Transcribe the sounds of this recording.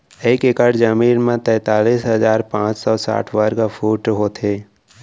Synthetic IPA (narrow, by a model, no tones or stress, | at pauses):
eːkekəɽd͡ʒəmiːnmẽt̪ɛ̃ːt̪aːliːsɦɐzaːɾpãːt͡ʃsɔːsa̰ːʈʰwəɾɡafʰuːʈɦoːt̪ʰeː